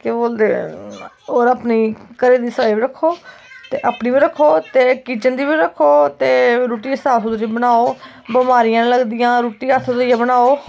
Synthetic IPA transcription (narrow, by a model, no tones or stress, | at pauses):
keboːld̪eː | oːɾəpniːkəɾeːd̪iːsəʋaːibiːɾəkʰːoːt̪eːʔaːpniːʋiːɾəkʰːoːt̪eːkiːt͡ʃənd̪iːʋiːɾəkʰːoːt̪eːɾuːʈiːəst̪aːsud̪ɾibənaːoː | bəmaːɾɪjãːnːləɡd̪ɪjãːɾuːʈiːət̪ʰːd̪ijãːbənaːoː